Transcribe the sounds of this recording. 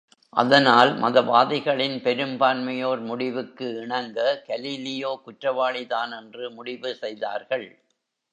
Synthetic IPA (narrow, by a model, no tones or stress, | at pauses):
ʔɐ̰ðɐnaːlmɐðɐʋaːðɪɣɐɭɪnpɛɾɯmbaːnmɐjoːɾmʊɽɪʋɯkːɯɪɳɐŋɡɐkɐliːlɪjoːkʊʈrɐʋaːɭɪðaːnɛndrɯmʊɽɪʋɯsɛjða̰ːɾɣɐɭ